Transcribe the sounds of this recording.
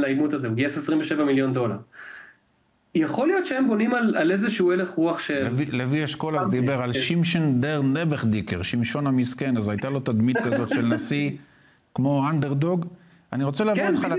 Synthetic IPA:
laimut̪azeuɡiasesʁimveʃevamiljo̞ndo̞laʁ | jaχo̞lijo̞t̪ʃeembo̞nimalalezeʃuueleχʁuaχʃeevilevieʃko̞lazd̪ibe̞ʁalʃimʃend̪eʁnebeχd̪ikeʁʃimʃo̞namiske̞nazajt̪alo̞t̪ad̪mit̪kazzo̞t̪ʃelnasi | kmo̞and̪eʁd̪oɡ | aniʁot͡selaːvitχal

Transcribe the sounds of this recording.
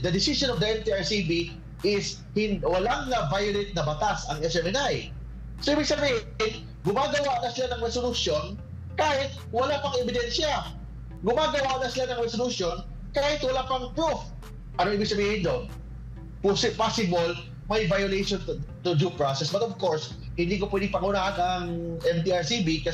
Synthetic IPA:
d̪ɐd̪ɪsɪsonɔfd̪ɐʔɛnt̪iaɹsibi | ʔɪs | hɪnwɐlaŋnɐvajʊlɪt̪̚nɐbɐt̪asɐŋɛsɛmɪnaj | soʔibɪɡ̚sɐbiːh | ɪn | ɡʊmaːɡɐwanɐsɪlanɐŋɹɛsolusjo̞n | kaːhɪt̪̚wɐlapɐŋɛbɪd̪ɛnʃɐ | ɡʊmaːɡɐwanɐsɪlanɐŋɾɛsolusjo̞n | kaːhɪt̪wɐlapɐŋpɹuf | ʔɐnoʔiːbɪɡ̚sɐbiːhɪnd̪on | psɪpasɪbol | mɐjvajʊlejʃont̪ʊd͡ʒupɹasɛsbɐt̪ovkoɹs | hɪnd̪iːkopwɛd̪ɪŋpɐŋunaʔɐk̪ɐŋʔɛmt̪iːaɹsibikɐ

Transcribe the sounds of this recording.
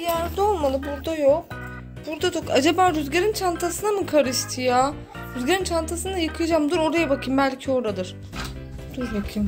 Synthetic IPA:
ijæɾd̪ɛo̞lˠmalˠɯbuɾd̪ajok | b̥uɾd̪ad̪okad͡ʒabaːɾyzɟeɾint͡ʃʰant̪ʰasɯnamɯkʰaɾɯʃt̪ʰɯja | ɾyzɟeɾint͡ʃʰant̪ʰasɯnajɯkʰɯjd͡ʒamd̪ɯɾo̞ɾajabakʰɯmbælʲcʰio̞ɾad̪ɯɾ̥ | d̪uɾbakʰim

